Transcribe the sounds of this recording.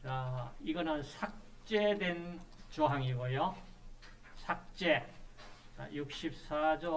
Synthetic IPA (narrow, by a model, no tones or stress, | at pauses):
t͡ɕaiɡʌnɯnsʰak̚ | t͡ɕ͈e̞dwent͡ɕoɦaŋiɡojo | sʰak̚t͡ɕ͈e | t͡ɕa̰juk̚ɕ͈ip̚s͈ad͡ʑo